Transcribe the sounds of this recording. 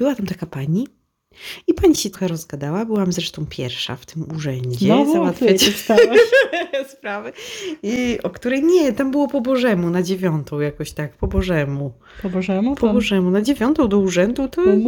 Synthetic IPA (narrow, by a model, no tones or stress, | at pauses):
bɘwat̪amt̪akapaɲi | ipaɲiɕɛt̪ɔxaɾɔzɡad̪awabɘwamzɾɛʂt̪ɔ̃w̃pʲjɛ̰ɾfʂa̰ft̪ɘmuʐɛɲd͡ʑɛzawat̪fʲet͡ɕ̪ | spɾavɛiɔkt̪uɾɛjɲɛt̪ambɘwɔpɔbɔʐɛmunad͡ʑevʲjɔnt̪ʰɔ̃w̃jakɔɕt̪ak̚pɔbɔʐɛmu | pɔbɔʐɛmupɔbɔʐɛmunad͡ʑevʲjɔnt̪ɔ̃w̃d̪ɔuʐɛnd̪ut̪ɔ